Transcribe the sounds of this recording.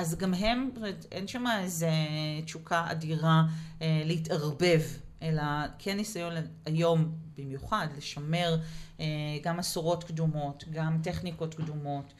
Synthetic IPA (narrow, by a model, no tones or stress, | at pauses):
ʔazɡamɦe̞metʔenʃamaezet͡ʃukʰaʔa̰diʁalehitaʁbe̞vʔe̞lakʰenːisajo̞nlajo̞mb̥imjuχadle̞ʃame̞ʁeɡamasoʁo̞tkdumo̞tɡamteχniko̞tkdumo̞t